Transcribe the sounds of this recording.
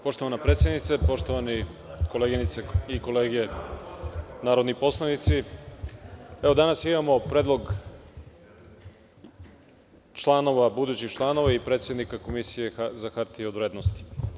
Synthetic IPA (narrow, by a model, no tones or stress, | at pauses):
po̞ʃt̪o̞ʋanapɾet̪sjed̪nit̪sepo̞ʃt̪o̞ʋani | ko̞leɡinit̪seiko̞leːɡje | naːɾo̞d̪nipo̞slˠanit̪si | e̞ʋo̞d̪anasimamo̞pɾed̪lˠo̞ɡ | t͡ʃlˠano̞ʋabud̪ut͡ɕixt͡ʃlˠano̞ʋaipɾe̞t̪sjed̪nikako̞misije̞zaxaɾt̪ioʋɾeːd̪nost̪i̥